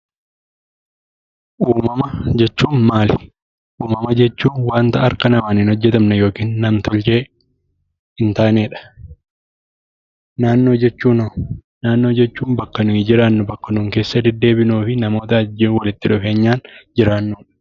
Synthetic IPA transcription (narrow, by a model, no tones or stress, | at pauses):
ʔuːmɐmɐd͡ʒɛt͡ʃːuːnmaːlɪ | ʔuːmɐmɐd͡ʒɛt͡ʃːuːnwaːnt̪ɐɐɾkɐnɐmaːniːnhɔd͡ʒːɛt̪ɐmnɐjo̞ːkiːnːɐmt̪ʰɔlt͡ʃe̞ː | ɪnt̪aːneːᶑɐ̥ | naːnːo̞ːd͡ʒɛt͡ʃːuːnɐ | naːnːo̞ːd͡ʒɛt͡ʃːuːnbɐkːɐnʊɪd͡ʒɪɾaːnːʊbɐkːɐnuːŋke̞ːsːɐd̪ɛd̪ːe̞ːbɪnuːfɪnɐmo̞ːt̪ɐɐd͡ʒɪwɐlɪt̪ːɪᶑʊfe̞ːɲːaːnd͡ʒɪɾaːnːuːᶑɐ̥